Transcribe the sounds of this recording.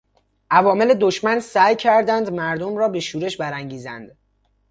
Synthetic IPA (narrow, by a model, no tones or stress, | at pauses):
ʔævɒːme̞le̞d̪oʃmænsæːjcʰæɾd̪ænd̪mæɾd̪omɾɒːbe̞ʃuːɾe̞ʃbæɾæŋɟiːzæ̰nd̪̥